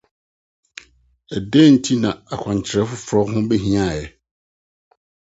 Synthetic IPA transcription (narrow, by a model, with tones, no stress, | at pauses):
ɛ˨dɛ̃ː˦˨n̩˦tʰi˦nã˨a˨kʷʰã˨ɲ˨t͡ɕʰɪ˨ɾɛ˦fʊ˦fɾɔ˦ɦʊ̃˦bɛ˦ɦĩ˦a˦˨jɛ˨